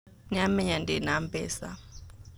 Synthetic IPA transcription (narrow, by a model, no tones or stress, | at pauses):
ɲamɛɲandʱɛnampɛ̰ːsa̰